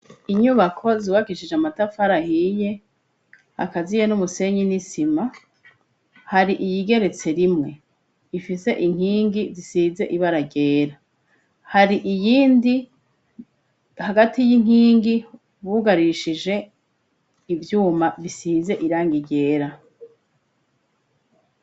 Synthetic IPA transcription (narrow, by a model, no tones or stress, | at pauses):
iɲuβakʰo̞ziːβaɡiʃid͡ʒeamatafaɾahije̞ | a̰kazijenumuse̞ɲinisima | haɾiʔijiɡe̞ɾe̞t͡se̞ɾimŋe̞ | ifise̞ʔiŋ̥hiːŋɡizisiːze̞ʔiβaɾaɟe̞ːɾa | haɾiʔijiːndi | haɡatijiŋ̥hiːŋɡi | βuɡaɾiʃiʒe̞ | ivjuːmaβisiːze̞ʔiɾaːŋɡiɟe̞ːɾa